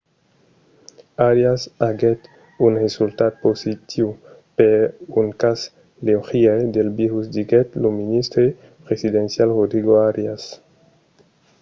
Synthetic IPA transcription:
aɾjasaɡet̪ | unresult̪ad̪̚posit̪ʰiwpeɾuŋkas | leoxiad̪elbiɾusd̪iɡet̪lominist̪ɾe | pɾesid̪ensjalrod̪ɾiɡoaɾjas

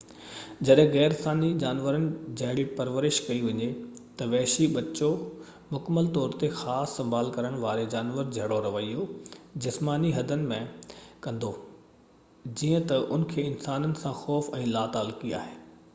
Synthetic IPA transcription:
d͡ʑɐɗɦɪ̃ɣɛːɾsaːnid͡ʑaːnʋəɾənɪ̆d͡ʑɐɦɪɽipɐɾʋəɾɪʃkɐiʋɐɲet̪ɐʋɛːʃiɓɐt͡ɕo | mʊkəməlt̪ɔːɾt̪exaːsːɐ̃mbʱaːlkɐɾəɽ̃ʋaːɾed͡ʑaːnʋəɾd͡ʑʱɐɽoɾɐʋəijod͡ʑɪsmaːniɦɐd̪ʱənɪ̆mẽkɐ̃nd̪o | d͡ʑiːə̃t̪ɐʔʊn̆kʰeːɪnsaːnənɪ̆sãxɔːfɛ̃ːlaːt̪aːlkia̰ːɦeː

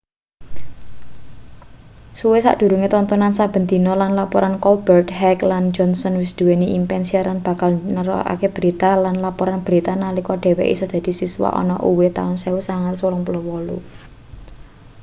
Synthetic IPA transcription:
suwesa̰ʔd̪̥ṳɾuŋet̪ɔnt̪ɔnansab̥ə̤nd̪i̤nɔlanlapɔɾʔankɔlb̥ərt̪ɦɛkland͡ʒɔnsɔnwɪsd̪̥ṳweniʔimpɛnsiaɾanb̥ä̤kalnəɾɔ̰a̰keb̥ɾit̪alanlapɔɾanb̥ɾit̪analikɔɖ̥e̤wɛ̰ʔḭsəd̪̥ä̤d̪̥i̤siswa̰ʔɔ̰nɔ̰ʔṵwet̪a̰ʊnseusaŋat̪swulɔŋpulowɔlṵ

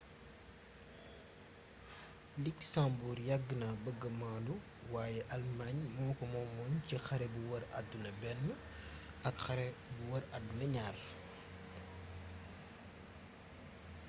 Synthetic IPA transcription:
liksambuɾjaɡːənɐbəɡɐmaːndu | waːjɛʔalmaɲmɔːkɔmɔmɔncixɐɾɛbuwɐɾa̰dːunɐbɛnːə | ɐkxɐɾɛbuwɐɾadːunɐɲaːr

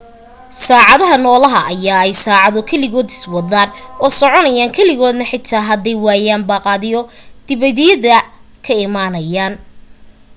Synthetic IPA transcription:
saːʕɑðɐɦɐnɔːlɐɦɐʔɐjaːɛjsaːʕɑðɔkʰɛlɪɣɔːd̪ɪ̥swɑðaːnɔːsɔʕɔnɐjaːŋkʰɛlɪɣɔːd̪nɐħɪt̪ʰːaːɦɐd̪ɛjwaːjaːnbaːqɑːðɪjɔd̪̥ɪβɐðɪjɐðɐ | kʰɐɪmaːnɐjaːn

